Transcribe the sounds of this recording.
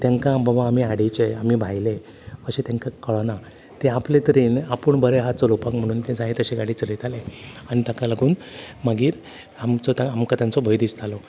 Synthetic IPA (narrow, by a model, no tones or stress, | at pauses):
t̪jãŋkãbabãːmiaɽit͡ɕeam̤iːbʱajle | əɕet̪jãŋkakəɭɔna | t̪eaplet̪əɾiːnapəɳbʱəɾeɦat͡səlopakm̤əɽ̃uːnt̪ẽd͡zaɦet̪əɕeɡaɽiːt͡səɾet̪aleañit̪akaləɡuːnmaɡiːɾ | amt͡sɔt̪aamkat̪jant͡sɔbʱəjd̪ist̪ʰalɔ